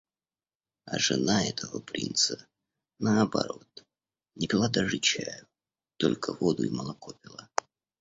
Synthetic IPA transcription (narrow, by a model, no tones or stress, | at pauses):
aʐɨnaɛt̪ʰəvəpɾʲḭnt̪sə | nəɐbɐɾo̞t̪ | nʲɪbʲɪlˠad̪aʐɨt͡ɕæjʊ | t̪o̞lʲkəvo̞d̪ʊiməlˠɐkopʲɪlˠə